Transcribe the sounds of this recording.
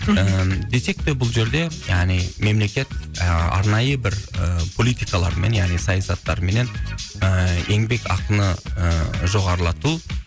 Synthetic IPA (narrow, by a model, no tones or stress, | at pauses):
əd̪e̞se̞k̚t̪ɪbʊlˠʒe̞ɾd̪e̞jaʁnijme̞mle̞kʲe̞t̪̚ɑ̰ɾnɑjəbɪɾəpʰo̞lʲˠijt̪ʲijkɑlˠɑ̰ɾme̞njaʁnijsɑjɑsɑt̪ːɑɾme̞ne̞nəe̞ŋbe̞kɑ̰qənəəʒo̞ʁɑɾəlˠɑt̪u